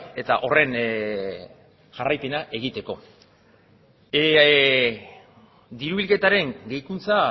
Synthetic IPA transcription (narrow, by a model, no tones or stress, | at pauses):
e̞t̪aʔo̞re̞n | ʝarajpe̞naʔe̞ɣ̞it̪e̞ko̞ | d̪iɾuβilke̞t̪aɾe̞ŋɡejkunt͡sa